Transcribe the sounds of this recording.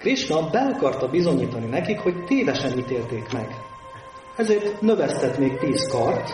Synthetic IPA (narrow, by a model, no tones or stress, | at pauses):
kriʃnɒbɛɒkɒrt̪ɒbizo̞ɲiːt̪ɒninɛkikho̞ct̪eːvɛʃɛniːt̪eːlt̪eːkmɛ̰ɡ | ɛzeːrt̪nøvɛst̪ɛt̪meːk̚piːskɒrt̪